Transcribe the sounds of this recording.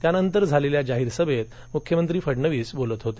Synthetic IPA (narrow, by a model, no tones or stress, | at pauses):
t̪janənt̪əɾd͡zʱaleljad͡ʑaɦiːɾsəbʱet̪̚ | mukʰjəmənt̪ɾiːfəɽɳəʋiːsbolət̪ɦot̪e